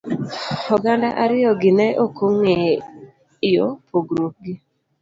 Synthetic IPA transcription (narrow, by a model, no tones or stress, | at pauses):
ɔɡandaʔaɾɪjɔɡɪnɛʔokoŋe | jɔpʰoɡɾok̚ɡɪ